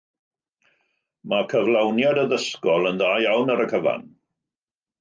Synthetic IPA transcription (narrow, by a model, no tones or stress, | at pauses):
makʰəvlˠawnjadəðəskɔlˠənðaːjawnəɾəkʰəva̰n